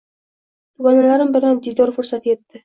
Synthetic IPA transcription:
t̪uʁɑnɑlˠɑɾɤmbɘ̆ɾnænd̪id̪oɾfuɾsɑt̪jɘ̆t̪ːɘ

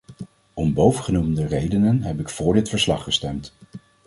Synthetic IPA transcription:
ɔmbowvəχənumdərejdənənɦɛpɪkfʊːɹdɪtfəɹslɑχːəstɛmt

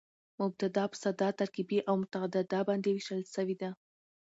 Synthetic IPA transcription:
mʊb̚t̪ad̪ɑpə̥sad̪ɑt̪aɾkibiʔawmʊt̪aad̪ad̪ɑbɑnd̪ewiʃəlʃəwed̪a

